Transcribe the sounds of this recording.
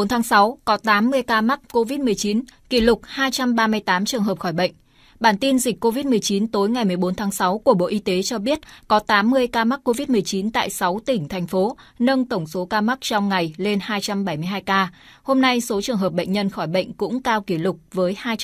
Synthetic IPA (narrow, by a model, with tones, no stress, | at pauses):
o˨˦nt̪ʰaː˨˦ŋsa˨˦wkɔ˨˦t̪aː˨˦mːɨ˧əjkaː˧ma˦˥k̚ko˧vi˦˥t̚mɨ˨˩əjt͡ɕi˨˦nki˧˩lʊ˨˩k͡p̚haː˧jt͡ɕa˧mɓaː˧mɨ˧əjt̪aː˨˦mt͡ɕɨ˨˩əŋɦəː˨˩p̚xɔː˧˩jɓə̰˧˨ŋ̟ | ɓaː˧˩nt̪i˧nzi˨˩k̟kːo˧vi˦˥t̚mɨ˨˩əjt͡ɕi˨˦nt̪o˨˦jŋa˨˩jmɨ˨˩əjɓo˨˦nt̪ʰaː˨˦ŋsa˨˦wku˧˩əɓo̰˧˨ʔi˧t̪e˨˦t͡ɕɔ˧ɓi˦˥ət̚kɔ˨˦t̪aː˨˦mːɨ˧əjkaː˧ma˦˥k̚ko˧vi˦˥t̚mɨ˨˩əjt͡ɕi˨˦nt̪a̰ː˧˨jsa˨˦wt̪ï˧˩ŋ̟t̪ʰɛ˨˩jŋ̟fo˨˦ | nə˧ŋt̪ə˧˩wŋ͡mso˨˦kaː˧m˦˥k̚t͡ɕɔ˧wŋ͡mŋa˨˩jle˧nhaː˧jt͡ɕa˧mɓa˧˩jmɨ˧əɦaː˧jkaː˧ | ho˧mna˧jso˨˦t͡ɕɨ˨˩əŋɦəː˨˩p̚ɓə̰˧˨ŋ̟ɲə˧nxɔ˧˩jɓə̰˧˨jŋ̟kʊ̰˧˥ŋ͡mkaː˧wki˧˩lʊ˨˩k͡p̚vəː˨˦jhaː˧j